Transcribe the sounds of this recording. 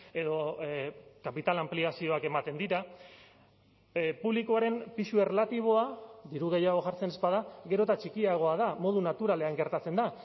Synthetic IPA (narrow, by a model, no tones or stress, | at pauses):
e̞ðo̞ | kapit̪alampliasio̞ake̞mat̪e̞nd̪iɾa | puβlikoaɾe̞mpiʃue̞relat̪iβ̞o̞aðiɾuɣ̞e̞jaɣ̞o̞ʝaɾt͡se̞ne̞spað̞aɣe̞ɾo̞t̪at͡ʃikiaɣ̞o̞að̞amo̞ð̞unat̪uɾale̞aŋɡe̞ɾt̪at͡se̞nd̪a